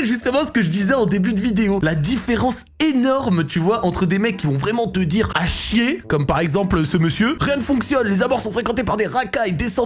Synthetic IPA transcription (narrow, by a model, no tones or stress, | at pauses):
ʒyst̪əmɑ̃sə̥kəʒəd̪izɛɑ̃d̪ebyd̪əvid̪eolad̪ifeʁɑ̃senɔʁmt̪yvwaʔɑ̃t̪χəd̪emɛkʲːivɔ̃vʁɛmɑ̃t̪əd̪iʁaʃjekɔmpaʁɛɡzɑ̃plsəməsjøʁjɛ̃nəfɔ̃ksjɔnlezamɔʁsɔ̃fχekɑ̃t̪epaʁd̪eʁakajd̪esɑ̃